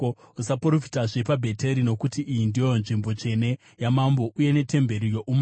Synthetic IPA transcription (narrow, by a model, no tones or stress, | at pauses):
usapoɾofi̥taʐepabʱe̞te̞ɾino̞kutiʔijindijo̞jonʐimbo̞t͡ʂe̞ne̞ | jamambo̞ʔuje̞ne̞te̞mbe̞ɾijo̞ʔum